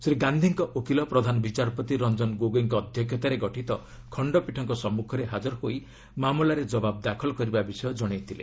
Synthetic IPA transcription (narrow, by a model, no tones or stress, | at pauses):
sɾiɡand̪ʱiŋkɔʔokilɔpɾɔd̪ʱanɔbit͡ʃaɾɔpɔt̪iɾɔnd͡ʒɔnɡoɡoiŋkɔːd̪ʱjɔkʰjɔt̪aɾeɡɔʈʰit̪ɔ | kʰɔɳɖɔpiʈʰɔŋkɔsɔmːukʰɔɾeɦad͡ʒɔɾɔhoj | mamulaɾed͡ʒɔbab̚d̪akʰɔlɔkɔɾibabisɔjɔd͡ʒɔɽ̃ijt̪ʰilḛ